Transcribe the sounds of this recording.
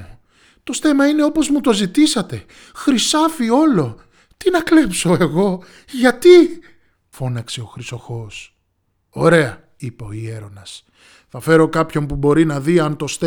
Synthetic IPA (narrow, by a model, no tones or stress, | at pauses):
t̪o̞st̪e̞mɐine̞o̞po̞zmut̪o̞zit̪isɐt̪e̞ | xɾisɐfio̞lo̞ | t̪inɐkle̞pso̞e̞ɣo̞ | ʝɐt̪i | fo̞nɐkse̞o̞xɾiso̞xo̞s | o̞ɾe̞ɐ | ipoie̞ɾo̞nɐs | θɐfe̞ɾo̞kɐpço̞mpubo̞ɾinɐðiɐnt̪o̞st̪e